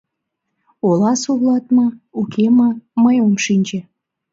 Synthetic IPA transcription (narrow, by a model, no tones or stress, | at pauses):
olɑsoβlɑt̪mɤukʰeməməjomʃinʲd͡ʑĕ